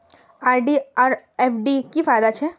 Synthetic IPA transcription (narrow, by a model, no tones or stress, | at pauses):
aːɾɖiaːɾefɖikifaːjd̪at͡ʃʰɛ